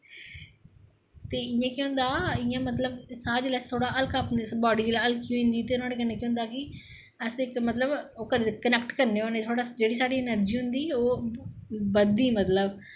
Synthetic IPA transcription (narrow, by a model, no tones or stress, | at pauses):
t̪eːɪjãːkjõːnd̪aːɪjãːmət̪ləbsaːd͡ʒlɛst̪ʰoːɽaːʔəlkapbɔːɖiːd͡ʒilaːəlkkːjũːĩnd̪iːt̪eːʊnãːɽeːkənːẽːkiʊ̃nd̪aːkɪ | əsɪkmət̪ləboːkəɾkənɛːkʈkəɾneoːneːt̪ʰoːɽaːd͡ʒeːɽiːsaːɽiːnəɾd͡ʒiːɦʊnd̪iːoː | bəd̪iːmət̪ləb